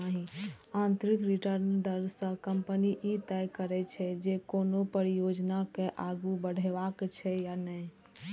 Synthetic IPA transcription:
əɦĩ | ãnt̪ɾikɾiʈəɾnd̪əɾsə̃kəmpəniʔit̪ɛjkəɾɛt͡ʃʰɛd͡ʒekonopəɾijod͡ʒnakeʔaɡubəɽ̤ɛbakt͡ʃʰɛjanəi

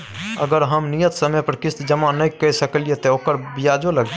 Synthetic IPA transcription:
əɡəɾɦəmnijət̪səməpəɾkɪst̪d͡ʒəmanəjkəjsəkəlijet̪ɔokəɾbijad͡ʒoləɡ̪

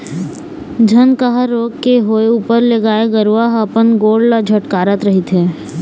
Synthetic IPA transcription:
d͡ʒʱənkəɦəɾoːɡkeɦoːeuːpəɾleɡaːeɡəɾʋaːɦəpənɡoːɽlad͡ʒʱəʈkaːɾət̪ɾɐɦɪt̪ɦɛː

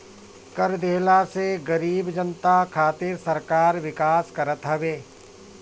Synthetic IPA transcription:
kɐɾd̪eːɦlaseɡɐɾiːbd͡ʒənt̪akʰaːt̪ɪɾsɐɾkaːɾʋɪkaːskɐɾət̪ɦɐʋeː

